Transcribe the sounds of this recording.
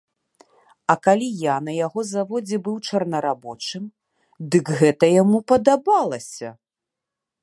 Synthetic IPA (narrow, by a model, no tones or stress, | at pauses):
ɐkalʲijanɐjaɣɔzavɔd͡zʲɛbɨwt͡ʂɐrnɐɾabɔt͡ʂɨm | d̪ɨkɣɛt̪ɐjamupɐd̪abalˠɐsʲɐ